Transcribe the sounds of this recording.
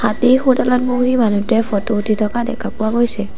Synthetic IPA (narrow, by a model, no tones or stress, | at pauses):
hatixutalɔt̚boximanutɛfʰɔtoutʰitʰɔkadɛ̰kʰapʊwaɡojsɛ